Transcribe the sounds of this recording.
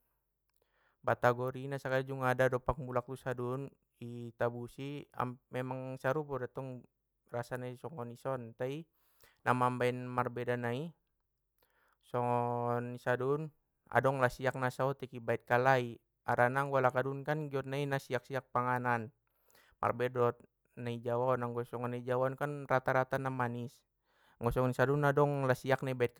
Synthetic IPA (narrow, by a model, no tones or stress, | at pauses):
bat̪aɡɔɾinasakalid͡ʒuŋaːdadɔpak̚mulak̚t̪usadun | it̪abusia̰mɛmaŋsaɾupɔdat̪ɔŋ | rasanaisɔŋɔnisɔnt̪ai | namambaɛnmarbɛdanai | sɔŋɔnisadun | a̰dɔŋlasiak̚nasaɔt̪ikibait̪̚kalai | aɾanaŋɡalakadunkanɡiɔt̪̚nainasiak̚siak̚paŋanan | mʔa̰rbɛdɔt̪̚ | naid͡ʒawanaŋɡɔsɔŋɔnaid͡ʒawɔnkanrat̪aɾat̪anamanis | ŋɡɔsɔŋnisadunadɔŋlasiak̚naibait̪̚k